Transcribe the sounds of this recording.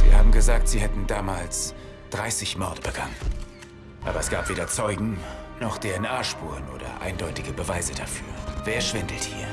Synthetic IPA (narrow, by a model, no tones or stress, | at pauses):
z̥iːɐhaːbm̩ɡəzaːk̚tz̥iːhɛtn̩daːmaːls | d̥ʁaɪsɪçmɔɐdəbəɡ̥anən | ʔa̰ːbɐɛsɡ̥aːpv̥eːdɐt͡sɔʏɡŋ̩nɔχd̥eːɛnʔaːʃpuːʁənʔo̰ːdɐ̰ʔa̰ɪndɔʏtɪɡəbəvaɪzədafyːɐveːɐʃv̥ɪndl̩thḭːɐ